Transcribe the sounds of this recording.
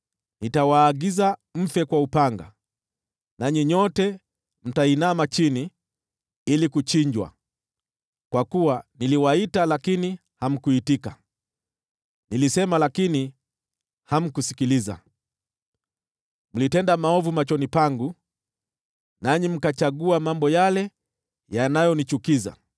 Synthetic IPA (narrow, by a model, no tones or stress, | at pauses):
nitawaːɡizam̩fɛkwaupaŋɡa̰ | naɲiɲɔtɛ | m̩tainamat͡ʃini | ilikut͡ʃiɲd͡ʒwa̰ | kwakuwaniliwaitalakini | ham̩kuitika | nilisɛmalakini | ham̩kusi̥kiliza̰ | m̩litɛndamaɔvumat͡ʃɔnipaŋɡu | naɲim̩kat͡ʃaɡuamambɔjalɛ | janajɔnit͡ʃukiza̰